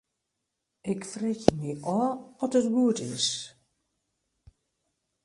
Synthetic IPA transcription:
ɪkfrɪxjəmiʔɔːɔtətɡuətɪs

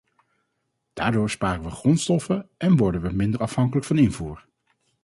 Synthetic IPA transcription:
d̥aːɹdʊːɹspaːrənʋəχrɔntstɔfəɛnʋɔɹdənʋəmɪndəɹɑfɦɑŋkələkfɑnɪnvuːɹ

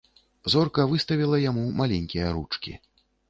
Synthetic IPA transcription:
zɔrkɐvɨst̪ɐvʲilˠɐjamumalʲenʲkʲijɐɾut͡ʂkʲḭ

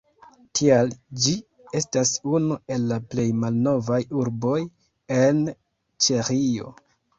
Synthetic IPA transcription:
tʰiald͡ʒi | e̞stasunue̞lːaple̞jmalno̞vajuɾbo̞j | en | t͡ʃeɾio̞̰

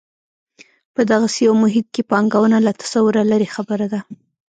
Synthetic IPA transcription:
pəd̪aɣasejawmʊɦɪt̪̚kepɑŋɡawənalat̪ḁsawʊɾalaɾexabəɾad̪a

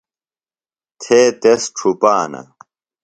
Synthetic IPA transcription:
t̪ʰeːt̪esʈ͡ʂʰupaːnɐ̰

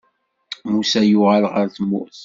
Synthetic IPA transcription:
musæjʊʁəlʁəɾθmːʊ̰θ

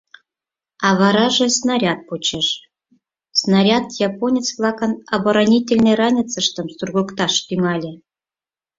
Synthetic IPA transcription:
ɑβɑɾɑʒĕsnɑɾʲɑt̪̚pot͡ɕeʃ | snaɾʲɑt̪jɑponʲet͡sβlˠɑkənɑboɾanʲitʲelʲnərɑnʲit͡səʃt̪əmst̪urɣukt̪ɑʃt̪yŋɑlʲe

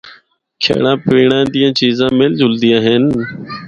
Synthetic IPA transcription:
kʰḛːɽãːpiːɳãːd̪ijãːt͡ʃiːzãːmeːld͡ʒʊld̪iːãːɦen

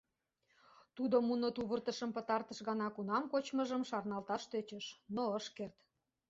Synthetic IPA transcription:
t̪ud̪omunot̪uβərt̪əʃə̆mpə̆t̪ɑrt̪ə̆ʃɣɑnɑkunɑmkot͡ɕmə̆ʒəmʃɑrnɑlt̪ɑʃt̪øt͡ɕəʃnoəʃkert̪

